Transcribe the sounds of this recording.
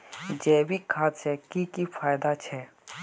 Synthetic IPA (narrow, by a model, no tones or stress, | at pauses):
d͡ʒɛːwikʰaːt̪t͡ʃʰɛkiːkifʰaːjd̪at͡ʃʰɛ